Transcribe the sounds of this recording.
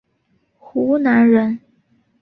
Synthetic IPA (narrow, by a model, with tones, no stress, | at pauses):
xu˧˥na˧˥nɻə˧˥n